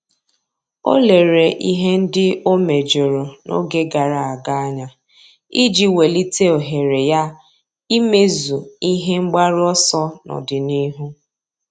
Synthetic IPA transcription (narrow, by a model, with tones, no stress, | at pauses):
o̰˦le˨ɾe˨ʔi˦ɦe˦n̩˦dɪ˦o˦me˨d͡ʒo˨ɾo˨nʔo̰˦ɡe˦ɡa˨ɾa˨a˨ɡa˦a˦ɲa˦ | i˦d͡ʒi˦we˨li˦te˦o˨ɦe˨ɾe˨ja˦ | i˦me˦zu˨i˦ɦe˦ŋ͡m̩˦ɡ͡ba˦ɾɪ˦ɔ˦sɔ˦nɔ̰˨dɪ˨ni˦ɦu˦